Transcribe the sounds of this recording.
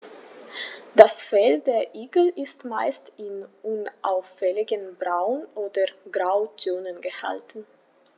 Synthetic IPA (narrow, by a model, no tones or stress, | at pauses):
d̥asfɛld̥eːɐʔiːɡl̩ʔɪstmaɪstɪnʔʊnʔaʊfɛlɪɡənbʁaʊnʔoːdɐɡʁaʊt͡soːnənɡəha̰ltn̩